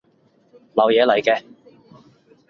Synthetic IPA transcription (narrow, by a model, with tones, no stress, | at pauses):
lɐ˨˧wjɛː˨˧lɐ˨˩jkɛː˧